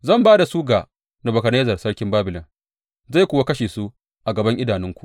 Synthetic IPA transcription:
zɐ˦˨mbaː˦da˨suː˦ɡaː˨ | na˨bɐ˨kɐ˨neː˦zɐ˨rsɐ˦ɽkʲɪ˦mbaː˦bɪ˨lɔ˨n | za˦˨jkʷʊː˨wa˦kɐ˦ʃeː˨su˦ | ʔa˨ɡɐ˨bɐ˦ŋʔɪ˦daː˨nɪ˦ŋkʷu̥˨ʔ

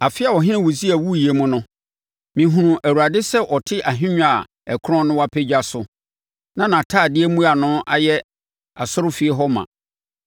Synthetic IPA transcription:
a˨fɪ˦a˨wɔ˨ɦɪ̃˦ñɪ̃˦wu˨si˦æ˨wu˦˨ji˨e˦mʊ̃˦nʊ̃˦ | mĩ˨ɦũ˨ɾũ˨ʔæ˨wu˨ɾa˨dɪ˦sɛ˦ʔɔ˨tʰɪ˦ʔa˨ɦɪ̃˦ɲ̃ᶣ˦a˨ | ɛ˨kʰɾɔ̃˦nʊ̃˦wa˦pʰe˦d͡ʑᶣa˦sʊ˨ | nã˦nã˨tʰaː˦˨dɪ˦e˦mũ˦a˨nʊ̃˦ʔa̰˨jɛ˦ | a˨sʊ˦ɾʊ˦fi˨e˦ɦɔ˦mã̰˨

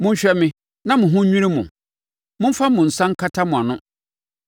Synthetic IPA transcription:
mʊ̃˦ɲ̩˦ɕᶣɛ˦mɪ̃˦ | nã˦mʊ̃˨ɦʊ̃˦ɲĩ˦ɾĩ˦mʊ̃˨ | mʊ̃˦m̩˦fa˦mʊ̃˨n̩˨sã˦ŋ̩˦kʰa˦tʰa˦mʊ̃˨a˨nʊ̃˦

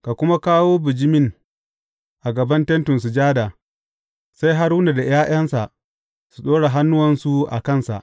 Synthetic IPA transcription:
ka˨kʷʊ˦ma˦kaː˦woː˦bɪ˨d͡ʒɪ˦mɪ˦ŋ | ʔa˨ɡɐ˨bɐ˦ntɛ˦ntʊ˨ns̬u˨d͡ʒaː˦daː˨ | sa˦jɦa˦ɾuː˦na˨da˨jaː˦ʔɐ˦nsa˨ʔ | su˨ɗoː˦ɽa˨ɦa˦nːʊ˦wɐ˨nsu˨ʔa̰˨kɐ˦˨nsa̰˨ʔ

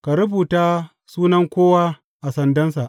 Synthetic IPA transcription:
ka˨ɾʊ˦buː˨taː˦ | suː˦nɐ˦ŋkʷoː˦wa˦ | ʔa˨sɐ˨ndɐ˦nsa˨ʔ

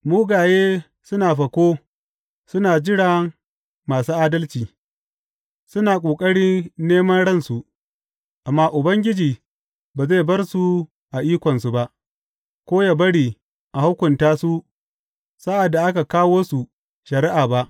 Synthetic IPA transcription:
muː˦ɡaː˨jeː˦ | sʊ˦naː˨ɸɐ˨kʷoː˦ | sʊ˦naː˨d͡ʒɪ˦ɽa˨ | maː˨suː˦ʔaː˦dɐ˦lt͡ʃiː˨ | sʊ˦naː˨kʷʼoː˨kʼɐ˦ɽiː˦neː˦mɐ˦nɽɐ˦nsu˨ʔ | ʔa˨mːaː˦ʔʊ˨bɐ˦ŋɡʲɪ˦d͡ʒiː˨ | baː˨zeː˦˨bɐ˦rsu˨ | ʔa˨ʔiː˦kʷɔ˨nsu˨ba˦ʔ | kʷoː˦jaː˨bɐ˦ɽiː˨ | ʔa˨hʊ˦kʷʊ˨ntaː˦su˦ | sa˦ʔa˨da˨ʔa˦ka˨kaː˦woː˦su˨ | ʃɐ˨ɾɪ˦ʔaː˨ba˦ʔ

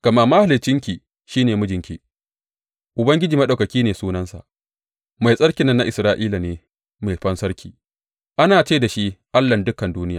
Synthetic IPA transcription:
ɡ̥ɐ˨ma˦ma˦ha˨lɪ˨t͡ʃːɪ˦ŋkʲi˨ | ʃiː˦neː˨mʊ˦d͡ʒɪ˨ŋkʲi˨ | ʔʊ˨bɐ˦ŋɡʲɪ˦d͡ʒiː˨mɐ˦ɗa˨kɐ˨kʲiː˦neː˨suː˦nɐ˦nsa̰˨ʔ | ma˨jsʼɐ˦ɽkʲɪ˨nːɐ˦nːa˦ʔɪ˨sɾaː˦ʔiː˦la˨neː˨˦ | meː˨jɸɐ˦nsɐ˦ɽkʲʰiː˨ | ʔa˦naː˨t͡ʃeː˦˨da˨ʃi˦ʔa˦lːɐ˨ndʊ˦kɐ˨nduː˦nɪ˦jaː˨

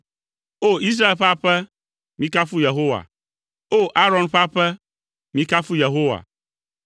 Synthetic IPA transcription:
o˦i˦s̬ɾa˦e˨lɸa˦ɸɛ˦ | mĩ˦ka˦fu˦je˨ɦo˦wa̰˨ | o˦ʔa˦ɾɔ̃˨nɸa˦ɸɛ˦ | mĩ˨˦ka˦fu˦je˨ɦo˦wa̰˨

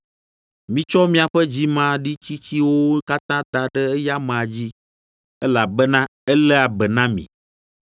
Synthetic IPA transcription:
mĩ˦t͡ʃɔ˦mĩ˦a˨ɸɛ˦d͡ʑi˦mã˦ɖi˦t͡ɕi˦t͡ɕi˦wo˦ka˦t̪ã˦d̪a˨ɖɛ˦ɛ˦ja˦mã˨a˨d͡ʑi˦ | ɛ˦la˨bɛ˦nã˦ɛ˦lɛ˦a˨bɛ˨nã˦mḭ̃˨

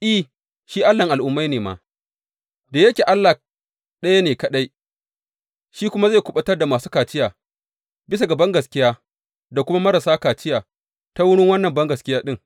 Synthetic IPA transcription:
ʔi˦˨ | ʃiː˦ʔa˦lːɐ˨ŋʔa˨lʔʊ˦mːa˦jneː˨ma̰ː˨ | daː˨jɐ˦kʲeː˨ʔa˦lːa˨ | ɗɐ˦ja˦neː˨kɐ˨ɗa˦j | ʃiː˦kʷʊ˦ma˦za˦˨kʷʊ˦ɓɐ˦tɐ˦rda˨maː˨suː˦kaː˨t͡ʃɪ˦jaː˨ | bɪ˦s̬a˨ɡɐ˨bɐ˦ŋɡɐ˨skʲɪ˦jaː˦ | da˨kʷʊ˦ma˦mɐ˦ɾa˨saː˦kaː˨t͡ʃɪ˦jaː˨ | ta˦wʊ˦ɽɪ˦ŋwɐ˦nːɐ˨mbɐ˦ŋɡɐ˨skʲɪ˦jaː˦ɗɪ˦ŋ

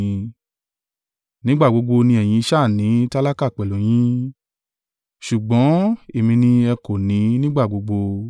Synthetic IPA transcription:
nĩ˦ɡ͡ba˦˨ɡ͡bo˨˧˦ɡ͡bo˧nĩ˧ɛ˨j̃ĩ˧ʃa˦˨nĩ˨˦ta˦la˦ka˦˨k͡pɛ˨lõ˨˦j̃ĩ˦ | ʃu˨ɡ͡bɔ̃˨˦e˦˨mĩ˧nĩ˧ɛ˧ko˨nĩ˨˦nĩ˦ɡ͡ba˦˨ɡ͡bo˨˧ɡ͡bo˧

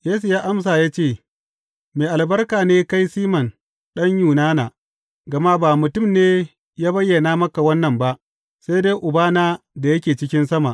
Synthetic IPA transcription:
jeː˦s̬u˨jaː˦ʔa˦ms̬aː˨jaː˦t͡ʃeː˦˨ | meː˨ʔa˨lbɐ˦rkaː˨neː˦ka˦jsiː˦mɐ˨n | ɗɐ˦ɲjuː˨naː˦naː˨ | ɡɐ˨ma˦baː˨mʊ˨tʊ˦˨mneː˦ | jaː˦bɐ˦jːɐ˨naː˦mɐ˦ka˨wɐ˦nːɐ˨mba˦ʔ | sa˦jdeː˦jʔʊ˨baː˦naː˦ | da˨jɐ˦kʲeː˨t͡ʃɪ˦kʲɪ˦nsɐ˦ma˨ʔ

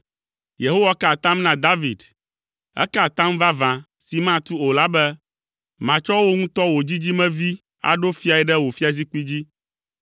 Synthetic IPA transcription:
je˨ɦo˦wa˦ka˨t̪ã˦mnã˨d̪a˦vi˨d | ɛ̰˦ka˨t̪ã˦mva˦vã˨ | si˨mã˦t̪u˦o˨la˦bɛ˦ | mã˨t͡ʃɔ˦wo˦ŋũ˦t̪ɔ˦wo˨d͡ʑi˦d͡ʑi˦mɛ̃˦vi˦ | a̰˨ɖo˦fi˦a˨ɛ˨ɖɛ˦wo˨fi˦a˨zi˦k͡pi˦d͡ʑi˦

